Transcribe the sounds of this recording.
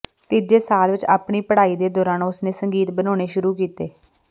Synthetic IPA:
t̪iːd͡ʒeːsaːlʋɪt͡ʃa̰ːpɳiːpəɽaːiːd̪eːd̪ɔːɾaːnʊsneːsəŋɡiːt̪bənoːɽ̃eːʃʊɾuːkiːt̪eː

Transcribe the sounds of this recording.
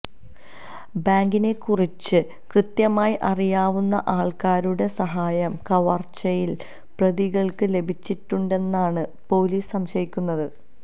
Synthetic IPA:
baːŋɡine̞kːurit͡ɕːɨ | krɨt̪jɐmaːjiʔɐrijaːʋunːɐʔaːɭkaːɾuɽe̞sɐɦaːjɐmkɐʋɐrt͡ɕɐjil | prɐðiɣɐɭkɨle̞bʱit͡ɕːiʈːuɳɖe̞nːaːɳɨpo̞ːliːsɐmɕɐɾikʲːunːɐðɨ

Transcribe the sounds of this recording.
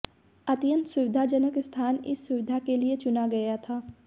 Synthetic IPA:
ɐt̪jə̃nt̪sʊʋɪd̪ʱad͡ʒənəkɪst̪ʰaːnɪ̰sːʊʋɪd̪ʱakeliet͡ʃʊnaɡɐjat̪ʰaː

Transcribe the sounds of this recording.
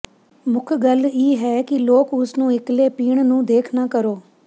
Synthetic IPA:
mʊkʰɡəliːɦɛːkɪloːkʊsnũːɪkleːpiːɳ̃nũːd̪eːkʰnaːkəɾoː

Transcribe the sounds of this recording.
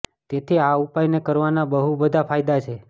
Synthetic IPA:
t̪et̪ʰiaupajnekəɾʋanabəɦubəd̪ʱafʰajd̪at͡ʃʰe

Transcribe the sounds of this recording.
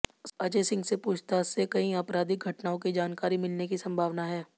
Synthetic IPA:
ɐd͡ʒesɪ̃ŋɡsepuːt͡ʃʰt̪asekɐɦĩapɾaːd̪ɪk̚ɡʱɐʈnaːõkid͡ʒaːnkaːɾimɪlnekisɐ̃mbʱaːʋnaɦɛː

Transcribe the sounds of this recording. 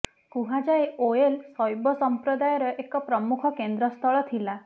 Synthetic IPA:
kuɦad͡ʒaeoelsɔjbɔsɔmpɾɔd̪ajɔɾɔʔekɔpɾɔmukʰɔkend̪ɾɔst̪ʰɔɭɔt̪ʰila

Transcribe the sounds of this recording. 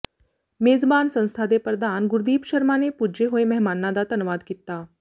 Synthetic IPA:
meːzbaːnsɐ̃nst̪ʰad̪epɾəd̪ʱaːnɡʊɾd̪iːpʃɐɾmanepuːd͡ʒeɦoemɛɦmaːnːad̪aːt̪ɐnʊʋaːd̪kiːt̪aː

